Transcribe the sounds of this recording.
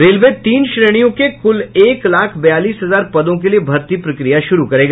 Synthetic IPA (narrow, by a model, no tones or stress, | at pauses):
ɾeːlʋet̪iːnʃɾeːɽ̃ijõkekʊleːklaːkʰbɐjaːliːsɦɐzaːɾpɐd̪õk̬eliebʱɐɾt̪ipɾɐkɾijaʃʊɾukɐɾeːɡa